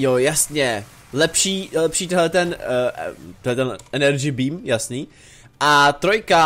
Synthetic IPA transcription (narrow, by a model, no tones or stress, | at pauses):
jojasɲɛ | lɛpʃiːlɛpʃiːt̪ɛɦlɛt̪ɛn | t̪ɛɦlɛt̪ɛnʔɛnɛɾd͡ʒɪbiːmjasniː | ʔat̪ɾojka